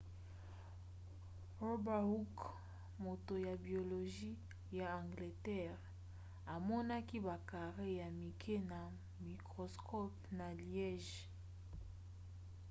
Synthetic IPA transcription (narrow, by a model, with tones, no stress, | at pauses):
o˦ba˨hu˦k | mo˨to˨ja˨bi˨o˨lo˨ʒi˦ | ja˨ã˨ŋɡle˨tɛ˦ʁ | a˨mɔ˦na˦ki˦ba˨ka˨ʁe˦ja˨mi˨kʰe˦na˨ | mi˨kʁo˨skʰɔ˦pna˨ljɛ˦ʒ